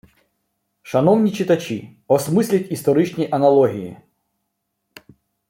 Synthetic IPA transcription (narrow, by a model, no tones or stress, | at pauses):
ʃɐnɔwnʲit͡ʃɪt̪ɐt͡ʃʲi | ɔsmɪsʲlʲɐtʲist̪ɔɾɪt͡ʃnʲiʔɐnɐlˠɔɦʲijḭ